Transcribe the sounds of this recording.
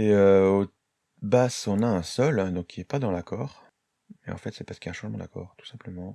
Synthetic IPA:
eøo | basɔ̃naɛ̃sɔld̪ɔ̃kʰːiɛpad̪ɑ̃lakʰɔːʁ | mɛɑ̰̃fɛt̪sɛpaʁsəkijaɛ̃ʃɑ̃ʒmɑ̃d̪akɔ̰ːʁt̪u̥sɛ̃pləmɑ̃

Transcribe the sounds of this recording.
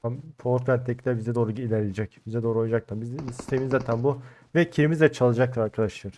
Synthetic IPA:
ampʰoɾt̪vʲænt̪ʰːɛclʲæɾbizɛd̪o̞ːɾuɟilʲæɾied͡ʒɛcbizɛd̪o̞ːɾuojud͡ʒak̚t̪ʰabizsi̥st̪ʰeminzaːt̪ʰænbu | vɛcʰiɾimizd̪ʲɛt͡ʃʰalˠɯad͡ʒak̚t̪ʰˠaɾaɾkʰad̪aʃɯɾ̥

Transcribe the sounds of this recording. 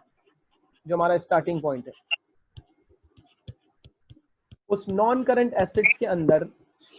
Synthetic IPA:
d͡ʒoːɦɐ̃maːɾaɪsʈaːɾʈɪ̃ŋɡ̚pɔ̃ːɪ̃ɳʈɦɛː | ʊsnɔːnkəɾə̃ɳʈɛːseɖskeɐ̃nd̪əɾ

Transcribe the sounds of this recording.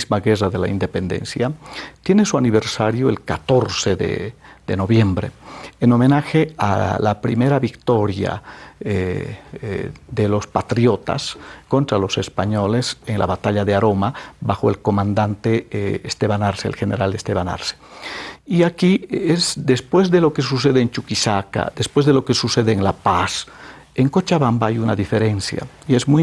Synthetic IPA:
zmaɣeraðe̞laind̪e̞pend̪e̞̰nsjat̪je̞nesuaniβe̞ɾsaɾjoelkat̪o̞ɾseðḛðeno̞βje̞mbɾḛeno̞menaxea̰la̰pɾime̞ɾaβikt̪o̞ɾja̰e | ðelo̞spat̪ɾjo̞t̪a̰sko̞nt̪ɾalo̞sespaɲo̞leseŋla̰βat̪aʎaðeaɾo̞mabaxoelko̞mãnd̪ant̪eest̪eβanaɾseḛlxeneɾald̪est̪eβana̰ɾse̥ | iakiezd̪espwezðelo̞kes̬us̬eðeːnt͡ʃukisaka̰d̪espwe̞zðelokesuseðeːŋlapas | eŋkot͡ʃaβambaajunaðifeɾensja̰ | iezmuj

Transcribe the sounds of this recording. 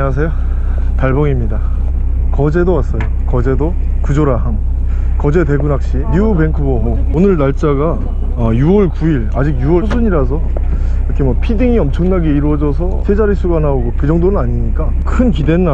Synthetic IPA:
easʰe̞jo | taɭbʌŋimɲida | kʌd͡ʑe̞dowas͈ʌjo | kʌd͡ʑe̞do | kud͡ʑoɾaɦaŋ | kʌd͡ʑe̞de̞ɡunak̚ɕ͈inuube̞ŋkʰuɡʌ | onɯɭnaɭt͡ɕ͈aɡa | ʌjuwʌɭkuiɭad͡ʑiɡjuwʌsʰuɲiɾas̬ʰʌ | iɾʌkʰemwʌpʰidiŋiʌmt͡ɕʰʌŋnaɡe̞iɾuwʌd͡ʑʌsʰʌ̰t͡ɕʰed͡ʑaɾisʰuɡanaoɡokɯd͡ʑʌŋdonɯnaɲiɲik͈a | kʰɯnkide̞nna

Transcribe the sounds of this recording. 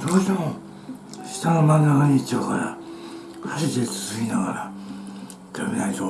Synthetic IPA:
d̪oːɕt̪emo | ɕi̥t̪anomãnːakaɲit͡ɕokaɾa̰ | kʰaɕit͡ɕ̪ʲet͡sɨ̥zɨkʲinaɣaɾa̰ | kaminait̪o

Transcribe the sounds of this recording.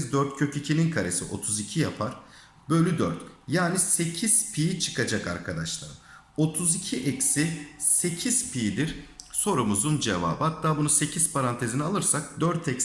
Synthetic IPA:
zd̪øɾt̪̚cʰø̞cʰycʰininkʰaɾe̞siʔo̞̰t̪ʰuzicʰijapʰaɾ̥ | bøjlʲyd̪øɾt̪jaːnise̞cʰiz̥pʰijit͡ʃʰɯ̥kʰad͡ʒaka̰ɾkʰad̪aʃlˠa̰ɾɯm | o̞t̪ʰuzicʰiʔɛcsise̞cʰiz̥pʰid̪iɾ̥so̞ɾumuzund͡ʒeva̰ːbɯhat̪ːaːbunuse̞cʰiz̥pʰaɾant̪ʰe̞zinialˠɯɾsak̚d̪øɾt̪ʰɛcs

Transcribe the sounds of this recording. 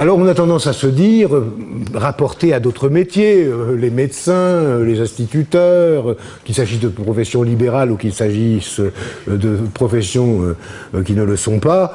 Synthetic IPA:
alɔʁɔ̃nat̪ɑ̃d̪ɑ̃sasəd̪iʁʁapɔʁt̪ead̪ot̪χəmet̪jeølemed̪sɛ̃ølezɛ̃st̪it̪yt̪œʁ | kʲilsaʒisd̪əpχɔfɛsjɔ̃libeʁalukilsaʒisd̪əpχɔfɛsjɔ̃ø | kʲinələsɔ̃pa

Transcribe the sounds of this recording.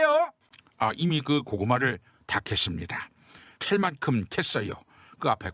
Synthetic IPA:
jo | ʌʔimikɯkoɡɯmaɾɯɭ | takʰe̞s͈ɯmɲida | kʰeɭmankʰɯmkʰes͈ʌjo̰ | kɯapʰe̞

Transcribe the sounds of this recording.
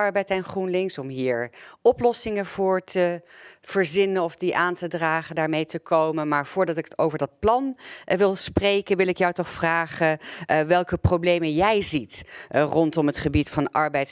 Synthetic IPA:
ɑɹbɛjtɛnχrunlɪŋsɔmɦiːɹɔplɔsɪŋəv̥ʊːɹtəv̥əɹzɪnənɔfdiʔaːntədraːχəndaːɹmejtəkʰowmənmaːɹv̥ʊːɹdɑtɪkəto̰wvəɹdɑt̚plɑnʋɪlˠsprejkənʋɪlˠɪkjɔwtɔχfraːχəʋɛlˠkəprowblejmənjɛjzitrɔntɔmɦətχəbitfɑnɑ̰ɹbɛjt

